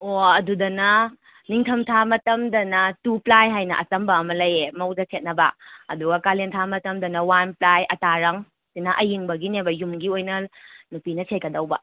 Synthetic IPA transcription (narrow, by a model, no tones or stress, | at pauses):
oɐdudɐnɐ | niŋtʰɐmtʰamɐtɐmdɐnɐtuplajɦajnɐ̰ʔɐt͡ʃɐmbɐːmɐlɐjemɐwdɐsʰet̚nɐbɐɐduɡɐkalentʰamɐtɐmdɐnɐwanplajʔɐtaɾɐŋ | sinɐʔɐjiŋbɐɡinebɐjumɡiojnɐnupinɐsʰekɐdɐwbɐ̰